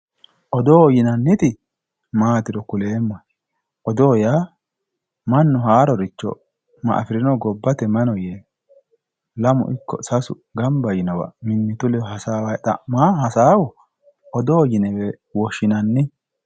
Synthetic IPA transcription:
ʔɔd̪oːjɪnɐnːɪt̪ɪ | maːt̪ɪɾɔkʊle̞ːmːɐ | ʔɔd̪oːjaː | mɐnːʊɦaːɾɔɾɪt͡ʃːɔ̰ | mɐ̰ʔɐ̰fɪɾɪnɔɡɔbːɐt̪ɛmɐnɔje | lɐmʊ̰ʔɪkːɔ̰sɐsʊ̰ | ɡɐmbɐjɪnɔwɐ̰mɪnːɪt̪ʊlɛhɐsaːwɐjt̪ɐ̰maːɦɐsaːwɔ | ʔɔd̪oːjɪnɛwɛ | wɔʃɪnɐnːɪ

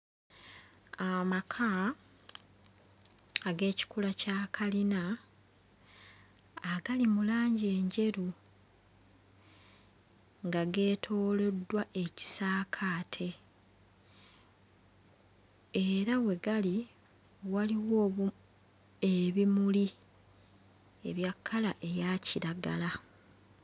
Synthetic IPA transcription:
amakʰa | ɡe̞ːci̥kulacaːkʰalina | ɡalimulaːɲɟe̞ːɲɟe̞ɾu | ŋɡaɡe̞ːtʰo̞ːle̞dːwaʔe̞ci̥saːkʰaːtʰe̞ | eɾawe̞ɡali | waliwo | eβimuli | e̞̰βjakʰːalaʔe̞jaciɾaɡa̰la

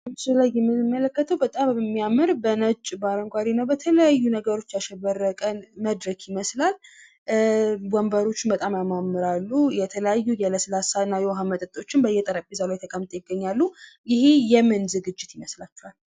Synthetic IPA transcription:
silajɛmːɨmːələkːət̪ʰəwbət̪ʼammːijamːɨɾbənət͡ʃʼːbaɾəŋɡʷaɾinəwbət̪ʰələjajːunəɡəɾo̞t͡ʃːaʃɛβərəkʼənməd̪ɾəɡʰjɪməslal | bɔmbəɾo̞t͡ʃːɪnbət̪ʼamjamamːɨɾalːujɛt̪ʰələjajːujɛləsɨlasaɨnːajɛwɦamət̪ʼət̪ʼo̞t͡ʃːɪnbəjːɛt̪ʼəɾəpʼːizalajt̪ʰəkʼəmt̪ʼejɪɡːəɲːalːujɪhejɛmɨnzɨɡɨd͡ʒːɪt̪jɪməslat͡ʃːɛwal

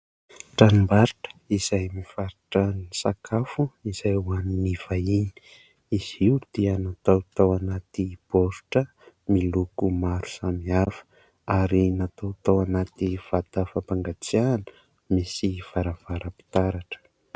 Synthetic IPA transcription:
ʈ͡ʂanimbaɾiʈ͡ʂə̥iz̥ajmifaɾiʈ͡ʂənisakʰafuiz̥ajuaniniv̥aini̥ | iz̥iwd̪̥iənat̪awt̪awanat̪ib̥oɾu̥ʈ͡ʂə | milukumaɾu̥samiafə̥ | aɾinat̪awt̪awanat̪iv̥at̪əfapaŋɡat͡sianə | misiv̥aɾəvaɾəpi̥t̪aɾaʈ͡ʂə̥

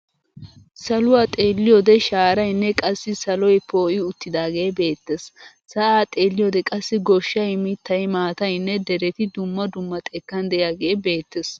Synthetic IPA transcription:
sɐlʊwaːt̪ʼeːlːɪjɔd̪ɛʃaːɾɐjnːɛkʼɐsːɪsɐlɔjpo̞ːʔɪʊt̪ːɪd̪aːɡe̞ːbe̞ːt̪ːes | sɐʔaːt̪ʼe̞ːlːɪjoːd̪ɛkʼɐsːɪɡɔʃːɐjmɪt̪ːɐjmaːt̪ɐjnːɛd̪ɛɾɛt̪ɪd̪ʊmːɐd̪ʊmːɐt̪ʼɛkːɐnd̪ɛjaːɡe̞ːbe̞ːt̪ːes

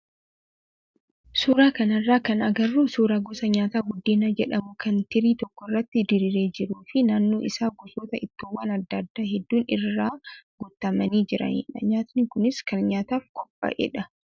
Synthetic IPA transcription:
suːɾaːkɐnɐrːaːkɐnɐɡɐrːuːsuːɾaːɡɔsɐɲaːt̪aːɡʊd̪ːeːnɐd͡ʒɛᶑɐmʊkʰɐnt̪ɪɾiːt̪ɔkːɔɪrːɐt̪ːɪd̪ɪɾɪɾe̞ːd͡ʒɪɾuːfɪnaːnːoːʔɪsaːɡʊsoːt̪ɐʔɪt̪ːuwːaːnɐd̪ːɐd̪ːaːɦɛd̪ːuːnɪrːaːɡʊt̪ːɐmɐniːd͡ʒɪɾɐ̰nḭːᶑɐɲaːt̪nɪkʊnɪskɐnɲaːt̪aːfkʼɔpʼːɐ̰ʔɛ̰ᶑɐ

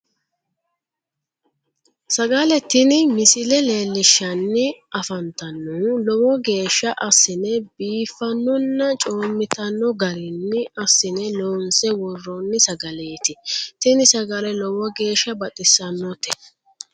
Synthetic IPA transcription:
sɐɡɐlɛt̪ːɪnɪmɪsɪlɛle̞ːlːɪʃːɐnːɪʔɐfɐnt̪ɐnːuːlɔwɔɡe̞ːʃːɐʔɐsːɪnɛbiːfːɐnːɔnːɐt͡ʃʼoːmːɪt̪ɐnːɔɡɐɾɪnːɪɐsːɪnɛloːnsɛwɔrːɔnːɪsɐɡɐleːt̪ɪt̪ɪnɪsɐɡɐlɛlɔwɔɡe̞ːʃːɐbɐt̪ʼɪsːɐnːɔt̪ɛ

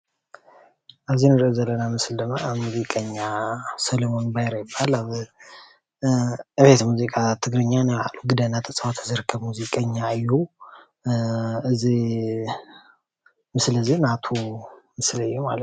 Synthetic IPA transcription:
ʔazinɨɾəzələnamɨsɨld̪əmamuzikʼəɲːasəlomo̞nbajɾəjɪbala | ʔɨβet̪muzikʼat̪ʰɨɡɾɨɲːanəa̰lːuɡɨd̪ənːat̪ʼʰəsʼat̪ʰəzəɾkʰəβmuzikʼəɲːaːjuw | ɨzi | mɨsɨləzːihnat̪ʰumɨsləjːɛma̰lət̪

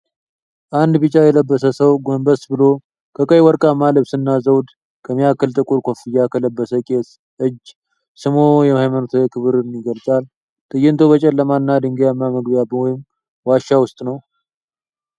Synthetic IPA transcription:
ʔand̪bɨt͡ʃʼajɛləbːəsəsəwɡombəsbɨlo̞ | kʰəkʼəjwɔɾkʼamaləbsɨnːazəwd̪ | kʰəmijakːəlt̪ʼɨkʼuɾkʰo̞fɨjːakʰələbːəsəkʼes | ʔɨd͡ʒ | sɨmo̞jɛmahajmanut̪ʰuekʰɨβɨɾɨnːiɡəlt͡sʼal | t̪ʼɨjɪnt̪ʰo̞bət͡ʃʼɛlːəmanːad̪ɨŋɡjamːaməɡbjabɨojɪm | waʃːawʊst̪ʼnəw

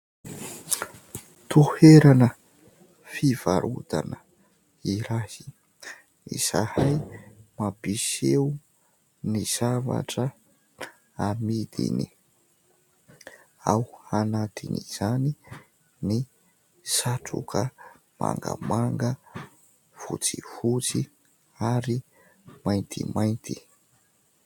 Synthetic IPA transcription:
t̪ʰuheɾanə | fiv̥aɾʔut̪anə | iɾasi̥ | ḭsahajmapisew | niz̥ava̰ʈ͡ʂə | amid̪ḭni | awanat̪ʰiniz̥ani | ni | saʈ͡ʂṵkʰə | ma̰ŋɡə̰maŋɡə | fut͡sihut͡si | aɾi | majnt̪ʰḭmajnt̪ʰi

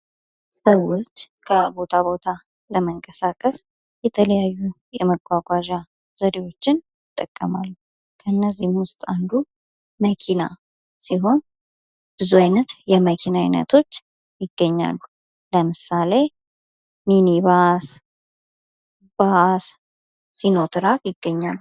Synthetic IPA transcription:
səwot͡ʃːkʰəbo̞t̪ʰabo̞t̪ʰa | ləməŋkʼəsakʼəs | jɛt̪ʰələjajːu | jɛməɡʷaɡʷaʒa | zəd̪ewo̞t͡ʃːɪnjɪt̪ʼːəkʼːəmalːu | kʰənːəzːihmwʊst̪ʼand̪u | məkʰina̰ | siɦo̞n | b̥ɨzuajnət̪jɛməkʰinajnə̰t̪ʰo̞t͡ʃː | jɪɡːəɲːa̰lːu | ləmɨsale̞ | miniβas | b̥asː | ino̞t̪ʰɨɾakjɪɡːəɲːalː

